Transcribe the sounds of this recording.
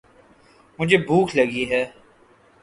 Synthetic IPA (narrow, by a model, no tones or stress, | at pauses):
mʊd͡ʒʱeːbʱuːkʰləɡiɦɛː